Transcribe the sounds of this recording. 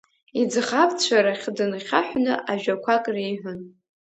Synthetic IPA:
id͡zχapʰʼt͡ɕʷʰaɾaχʲdɨnχʲa̰ħʷnɨ̰ʔaʒᶣakʷʰakʼrejħʷʊn

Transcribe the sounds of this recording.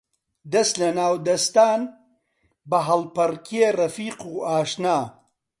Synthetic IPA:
d̪ɐst̪lɐnaːwd̪ɐst̪aːn | bɐɦɐlpɐrkʰerɐfiːquːaːʃnaː

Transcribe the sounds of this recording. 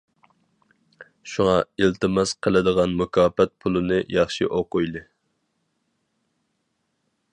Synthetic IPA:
ʃuŋɑilt̪ʰɨmɑsqʰəlˠɨd̪əʁɑnmukʲʰɑːpɛt̪̚pʰulˠɨnɨjɑχʃḭʔoqʊjlˠɨ

